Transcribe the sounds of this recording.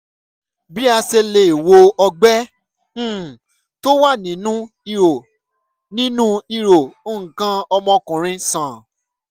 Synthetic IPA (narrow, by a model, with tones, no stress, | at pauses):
bi˦a˧se˧le˨i˨wo˧ɔ˧ɡ͡bɛ̃˦˨ | to˦wa˦˨nĩ˨˦nũ˦ | i˧ɾo˨ | nĩ˦nũ˦i˧ɾo˨o˦˨ŋ̩˨kã˧˦ɔ˧mɔ̃˧kũ˨ɾ̃ĩ˧sã˨